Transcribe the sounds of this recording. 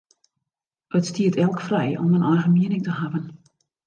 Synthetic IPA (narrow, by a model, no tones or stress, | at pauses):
ətstiətɛlˠkfrɛjɔ̰mənʔɔjɣənmiənɪŋtəhavən